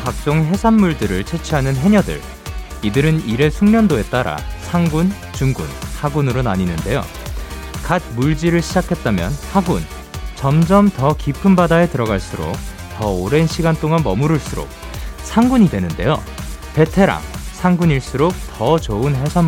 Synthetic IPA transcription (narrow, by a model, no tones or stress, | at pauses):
pak̚t͡ɕ͈oŋɦe̞sʰanmuɭdɯɾɯɭt͡ɕʰe̞t͡ɕʰiɦanɯnɦe̞ɲʌdɯ̰ɭ | idɯɾɯniɾe̞sʰuŋɲʌndoe̞t͈aɾa̰sʰaŋɡun | t͡ɕuŋɡṵnhaɡunɯɾonaɲinɯnde̞jo̰ | kat̚muɭd͡ʑiɾɯɭɕʰid͡ʑakʰe̞t̚t͈amjʌnhaɡun | t͡ɕʌmd͡ʑʌmtʌkipʰɯmbadaɦe̞tɯɾʌɡaɭs͈uɾo̰k̚ | tʌoɾe̞nɕʰiɡant͈oŋanmʌmuɾɯɭs͈uɾo̰k̚sʰaŋɡuɲidwe̞nɯnde̞̰jo̰ | pe̞tʰe̞ɾa̰sʰaŋɡuɲiɭs͈uɾok̚tʌt͡ɕoɯnɦe̞sʰan